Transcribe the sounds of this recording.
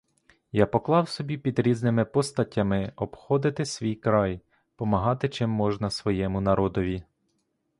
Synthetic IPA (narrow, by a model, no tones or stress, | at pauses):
japɔklˠɑwsɔbʲipʲid̪ɾʲiznɪmɪpɔst̪ɐtʲːɐmɪɔbxɔd̪ɪt̪ɪsʲʋʲijkɾɑj | pɔmɐɦɑt̪ɪt͡ʃɪmːɔʒnɐsʋɔjɛmʊnɐɾɔd̪ɔʋʲi